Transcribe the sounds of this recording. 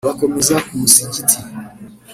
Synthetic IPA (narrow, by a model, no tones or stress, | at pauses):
βakomezakumusiɲɟitʰi